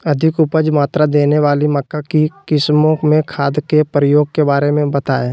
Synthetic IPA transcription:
ɐd̪ʱɪkʊpəd͡ʒmaːt̪ɾad̪eːneʋaːlimɐkːakikɪsmõmẽkʰaːd̪kepɾəjoːɡ̚kebaːɾemẽbət̪aːe

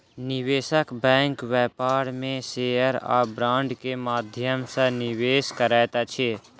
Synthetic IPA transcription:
nɪʋeːʃəkbɛ̃ːŋkʋɛːpaːɾmẽseːəɾa̰ːbɾãːɳɖkemaːd̪ʱjəmsənɪʋeːskəɾɛːt̪at͡ʃʰe

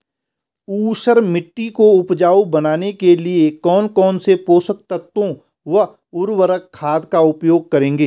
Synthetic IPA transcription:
uːʃəɾmɪʈːikoʊpd͡ʒaːobɐnaːnekeliekɔːnkɔːnsepoːsək̚t̪ət̪ːõ | ʋɐ | ʊɾwəɾəkʰːaːd̪kaʊpjoːɡ̚kɐɾẽːŋɡeː

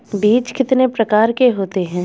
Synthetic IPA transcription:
biːt͡ʃkɪt̪nepɾɐkaːɾkeɦoːt̪eɦɛ̃ː

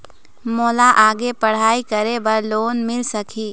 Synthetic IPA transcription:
moːlaʔaːɡepɐɽ̤aːikəɾebɐɾloːnmɪlsəkʰiː

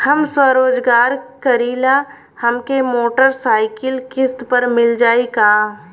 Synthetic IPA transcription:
hɐmswəɾoːd͡ʒɡaːɾkɐɾiːla | hɐmkemoːʈəɾsaːɪkɪlkɪst̪pəɾmɪld͡ʒaːikaː

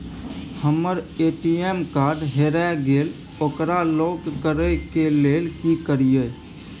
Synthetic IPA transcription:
həmːəɾeʈiemkaɾɖɦeɾaɡel | okɾalɔk̪kəɾəjkelelkikəɾijə

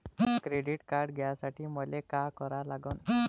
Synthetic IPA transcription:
kɾeɖiʈkaɾɖɡʱɛjasaʈʰiːməlekakɔɾalaɡən

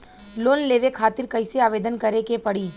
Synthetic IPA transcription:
loːnleːʋekʰaːt̪ɪɾkɐɪseaːʋeːd̪ənkɐɾekepɐɽiː

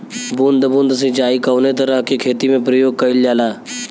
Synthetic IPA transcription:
bund̪əbũːnd̪s̬ed͡ʒaːikəːnet̪̬əɾəɦkekʰeːt̪imẽpɾɐjoːɡ̚kɐɪljaːlaː

